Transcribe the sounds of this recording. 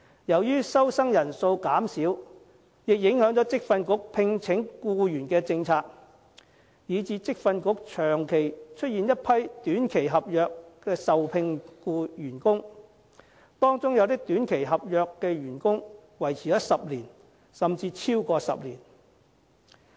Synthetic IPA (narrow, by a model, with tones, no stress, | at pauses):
jɐ˨˩wjyː˥sɐ˥wsɐ˥ŋjɐ˨˩nso˧wkaː˨˥msiː˨˥w | jɪ˨k̚jɪ˨˥ŋhœː˨˥ŋt͡ʃɔː˨˥t͡sɪ˥k̚fɐ˧nkʊ˨˥k̚pʰɪ˧ŋt͡sʰɪ˨˥ŋkuː˧jyː˨˩nkɛː˧t͡sɪ˧ŋt͡sʰaː˧k̚ | jiː˨˧t͡siː˧t͡sɪ˥k̚fɐ˧nkʊ˨˥k̚t͡ʃʰœː˨˩ŋkʰe˨˩jt͡ʃʰɵ˥t̚jiː˨njɐ˥t̚pʰɐ˥jt̪yː˨˥nkʰe˨˩jɦɐ˨p̚jœː˨kːɛː˧sɐ˨wpʰɪ˧ŋkuː˧jyː˨˩nkʊ˥ŋ | t̪ɔː˥ŋt͡sʊ˥ŋjɐ˨˧wt̪ɪ˥k̚t̪yː˨˥nkʰe˨˩jɦɐ˨p̚jœː˨kːɛː˧jyː˨˩nkʊ˥ŋwɐ˨˩jt͡sʰiː˨˩jɐ˦˥sɐ˨p̚liː˨˩n | sɐ˨mt͡siː˧t͡sʰiː˥wkɔː˧sɐ̰˨p̚liː˨˩n